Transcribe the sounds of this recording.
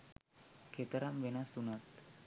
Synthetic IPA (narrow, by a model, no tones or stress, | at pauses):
kʰet̪əɾamʋenasunat̪̚